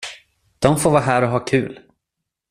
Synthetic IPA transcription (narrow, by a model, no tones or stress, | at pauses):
d̪̥ɔmfoːɾvɑːɦæːɾɔɦɑːkʰʉ̟ːl